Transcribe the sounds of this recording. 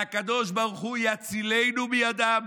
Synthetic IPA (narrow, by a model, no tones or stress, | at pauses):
akad̪oʃbaʁuχujat͡silejnubəjad̪am